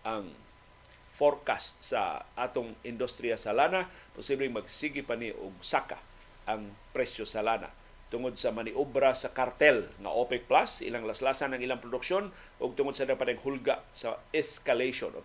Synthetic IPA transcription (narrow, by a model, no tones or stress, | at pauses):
ʔaŋ | foɾkast̪̚sa̰ʔat̪ʊŋɪnd̪ust̪ɾiasalanapʊsiblɛŋmɐɡsiɡɪpaniʔʊ̰ɡ̚sakḁ̰ | ʔaŋpɾɛsjosalana̰ | t̪ʊŋod̪̚sɐmanɪʔubɾasɐkaɾt̪ɛlŋɐ̰ʔopɛk̚plasɪ̰laŋlaslasanɐŋɪlaŋpɾʊd̪ʊkʃon | ʔʊɡ̚t̪ʊŋod̪sɐd̪apat̪ɛŋhʊlɡaʔsaɛskalejʃo̰nʔo̰